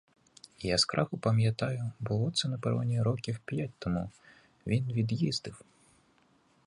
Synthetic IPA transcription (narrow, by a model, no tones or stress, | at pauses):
ijaskɾʔɑxʊpɐmʲjɐt̪ɑjʊbʊlˠɔt̪sɛnɐpɛɾʋɐ̰nʲiɾɔkʲiwpʲjatʲt̪ɔmu | ʋʲinʋʲid̪jizd̪ɪw